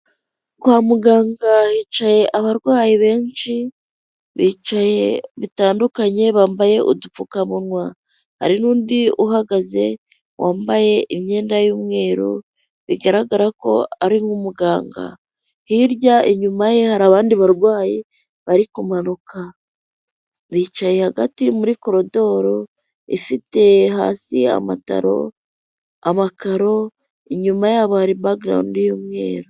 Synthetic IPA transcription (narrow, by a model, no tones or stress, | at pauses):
kwaːmuɡaːŋɡahiːt͡ʃaje̞ʔaβaɾɡwaːjiβe̞ːɲt͡ʃi | βiːt͡ʃaje̞βitaːndukaɲe̞βaːmbaje̞ʔṵdup͡fukamunŋwa | ha̰ɾinuːndiuɦaɡaze̞ | wʔaːmbaje̞ʔimɲe̞ːndajuːmŋe̞ːɾu | βiɡaɾaɡaɾako̞̰aɾimŋumuɡaːŋɡa̰ | hiɾɟaiɲumaje̞haɾaːβaːndiβaɾɡwaːje | βaɾikumanuka | βiːt͡ʃajehaɡatimuɾiko̞ɾo̞do̞ːɾo̞ | ifite̞ɦa̰ːsia̰ma̰ta̰ɾo̞̰ | amakaɾo̞ | iɲumajaːβohaɾibaɡɾa̰ndijuːmŋe̞̰ːɾu